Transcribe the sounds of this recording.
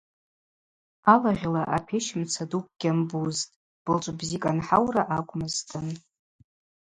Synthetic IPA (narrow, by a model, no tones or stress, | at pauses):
alaʁʲlaʔapʰeʃɪmt͡sʰaduk̚ʷʰʼɡ̥ʲambuztʼ | b̥ɨlt͡ʃʷʼbzikʼanħawraʔakʷʼmɨztʰʼɨn